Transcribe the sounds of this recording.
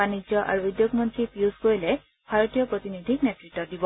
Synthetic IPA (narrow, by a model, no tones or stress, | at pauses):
anid͡ʒjɔʔa̰ɹuud̪joɡmɔnt̪ɹipiuskoɹile | bʱaɹɔt̪ijɔpɹot̪inid̪ʱiknetɹiʈːɔdibɔ